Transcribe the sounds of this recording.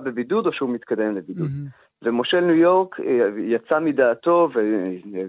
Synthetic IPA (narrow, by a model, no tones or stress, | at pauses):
bebidudo̞ʃeumit̪kad̪e̞mlebidud̪ | vemoʃelnujo̞ʁkjat͡samidaːto̞ve